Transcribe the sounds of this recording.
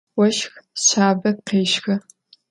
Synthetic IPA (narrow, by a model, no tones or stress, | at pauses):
wɐʃxɕaːbɐqeːʃxɐ